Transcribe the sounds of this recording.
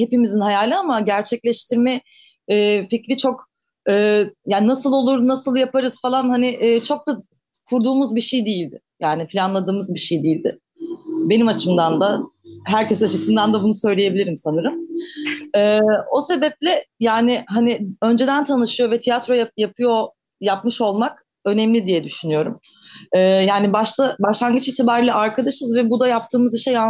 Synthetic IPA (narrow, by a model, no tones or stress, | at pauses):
he̞pimizinhajaːlʲɯamaɟæɾt͡ʃʰɛclʲɛʃt̪ʰiɾmɛː | ficɾit͡ʃʰo̞k | ɯːjaːnnasɯlˠo̞lˠuɾd̪unasɯlˠjapʰaɾɯz̥falˠanhanɪʔːt͡ʃʰo̞k̚t̪d̪a | kʰuɾd̪uːmuzbiʃejd̪ijilʲd̪ɪ | jaːnɪpʰilʲanlˠad̪ɯːmɯzbiʃejd̪ijilʲd̪ɪ̰ | be̞nimat͡ʃʰɯmd̪and̪aɦæɾcesat͡ʃʰɯsɯnd̪and̪abunusø̞jlʲejebilʲiɾimsanɯɾɯm | ɛːo̞se̞bɛp̚lʲɛjaːnɪɦanɪø̞nd͡ʒe̞d̪ænt̪ʰanɯʃɯjo̞vɛt̪ʰijat̪ɾo̞jajapʰɯjo̞ | japmɯʃo̞lˠmak | ø̞nɛmlʲid̪ijɛd̪yʃynyjo̞ɾum | ɛːjaːnibaʃlˠabaʃlˠaŋɡɯt͡ʃit̪ʰibaɾlʲˠaʔaɾkʰad̪aʃɯzvɛbud̪ajap̚t̪ʰɯːmɯziʃeja